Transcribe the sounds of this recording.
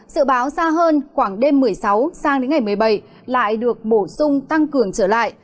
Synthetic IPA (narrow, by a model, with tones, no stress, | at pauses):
zɨ̰˧˨ɓaː˨˦wzaː˧ɦəː˧nxwaː˧˩ŋɗe˧mːɨ˨˩əjsa˨˦wsaː˧ŋɗe˨˦nŋa˨˩jmɨ˨˩əjɓa˧˩j | la̰ː˧˨jɗɨ˨˩ək̚ɓo˧˩sʊ˧ŋ͡mt̪a˧ŋkɨ˨˩əŋt͡ɕəː˧˩la̰ː˧˨jʔ